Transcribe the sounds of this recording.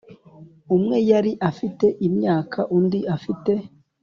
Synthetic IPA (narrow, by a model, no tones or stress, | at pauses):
umŋe̞jaɾiʔafite̞ʔimɲaːkʰaʔundiʔafite̞